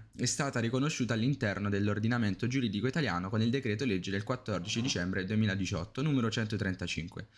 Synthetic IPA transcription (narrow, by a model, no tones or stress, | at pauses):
ɛst̪aːt̪aɾikonoʃːuːt̪alːint̪ɛrnod̪elːord̪inament̪od͡ʒuɾiːd̪ikoit̪aljaːnokonild̪ekɾeːt̪̬oled͡ʒːed̪elkwat̪ːɔrd̪it͡ʃid̪it͡ʃɛmbɾed̪uemiːlad̪it͡ʃɔ̰t̪ːonuːmeɾot͡ʃɛnt̪ot̪ɾɛnt̪at͡ʃḭŋkwḛ